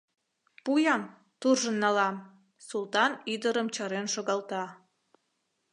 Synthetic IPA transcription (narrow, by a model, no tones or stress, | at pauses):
pujɑm | t̪urʒənːɑlɑm | sulˠt̪ɑnid̪əɾəmt͡ɕɑɾenʃoɣɑlt̪ɑ